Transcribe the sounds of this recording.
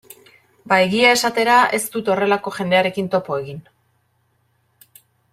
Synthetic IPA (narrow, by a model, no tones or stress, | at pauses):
baeɣiae̞sat̪e̞ɾae̞st̪ut̪o̞re̞lako̞ʝe̞nd̪e̞aɾe̞kint̪o̞po̞e̞ɣin